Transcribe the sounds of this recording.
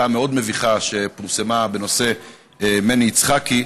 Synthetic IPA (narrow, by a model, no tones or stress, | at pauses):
ameo̞d̪me̞viχaʃe̞puʁse̞mabe̞no̞se̞ | meniːt͡sχaki